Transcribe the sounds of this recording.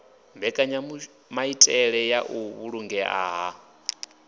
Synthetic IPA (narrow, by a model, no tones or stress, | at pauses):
mbɛkʼaɲa | maitʼɛɺɛjaʔuβuɺuŋɡɛʔa̰ːɦa